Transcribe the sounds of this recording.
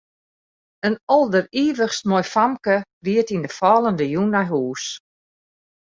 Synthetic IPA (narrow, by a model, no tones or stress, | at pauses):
ənɔlˠdəriːʋəxstmɔjfamkəʋiətindəfɔːlˠəndəjunajɦuːs